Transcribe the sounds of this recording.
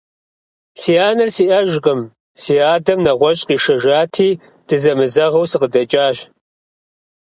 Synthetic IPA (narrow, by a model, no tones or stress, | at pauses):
siːjaːnɨrsiːʔɐʒqʼɨm | siːjaːdɐmnɐʁʷɔɕʼqiːʂɐʒaːtʰiː | d̥ɨzɐmɨzɐʁɐwsɨqədɐt͡ʃʼaːɕ